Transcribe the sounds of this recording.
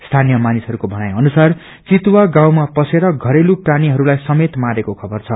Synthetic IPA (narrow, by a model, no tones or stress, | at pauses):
st̪ʰanijʌmanisɦʌɾukobʱʌñajʌnusar | t͡sit̪waɡãw̃mapʌseɾʌɡʱʌɾelupraniɦʌɾulajsʌmet̪maɾekokʰʌbʌrt͡sʰʌ